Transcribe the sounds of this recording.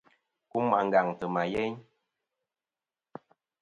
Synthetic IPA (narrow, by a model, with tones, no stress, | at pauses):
ku˦ma˨ŋ˨ɡa˨ŋtə˨ma˨jɛ˦ɲ